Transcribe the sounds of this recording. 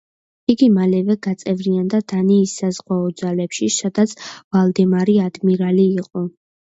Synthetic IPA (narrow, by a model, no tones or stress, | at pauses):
iɡimalɛvɛɡat̪sʼɛvɾiand̪ad̪aniːsːazʁwaɔd̪zalɛpʃisad̪̥at̪sʰvalˠd̪ɛmaɾiad̪miɾaliːqʼɔ